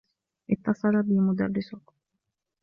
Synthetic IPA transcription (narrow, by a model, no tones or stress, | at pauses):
ʔɪt̪ːɑsˤɑɾˤɑbimʊd̪arːɪsʊk